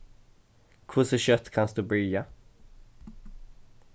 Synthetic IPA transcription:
kʰʊsəɕœt̪ːkʰansd̪ʉbɾʏja

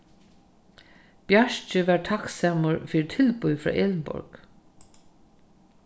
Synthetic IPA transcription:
b̥jaʃt͡ʃəʋæːɹt̪ʰaksaːməɹfiːɾt̪ʰɪlpʊjfɾɔ̰ːʔeːlnbʊ̰ɹɡ

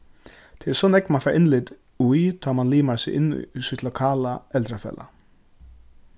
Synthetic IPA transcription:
t̪ʰɪːɛsɔnɛkmafaɾʔɪnlɪt̪ | ujt̪ʰaːmanliːmasɪʔɪn̰ːsɪlɔkʰaːlaɛlt̪ɾafɛ̰ːla̰

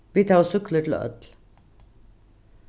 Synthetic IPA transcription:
ʋiːt̪ʰɑːsʉkləʈl̰ːʔœ̰t̪l

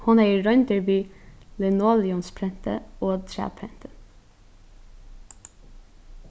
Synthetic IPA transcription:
hʊnæːɹœʏnd̪əɹʋiːlɛnoːlɪʊnspʰɾɛnt̪ʰə̰oːt̪ʰɾæ̰ːpʰɾɛnt̪ʰə

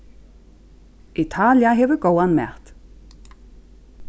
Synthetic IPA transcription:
ʔɪt̪ʰɑːlɪɑɦeːʋəɡowɑnmæ̰ːʁt̪

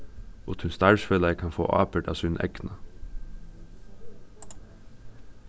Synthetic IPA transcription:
ʊt̪hʉnst̪ɑːʃfeləəkʰɑnfo̰ːʔɑ̰ːpəɖɑ̰ːsʉnʔɛ̰knɑ

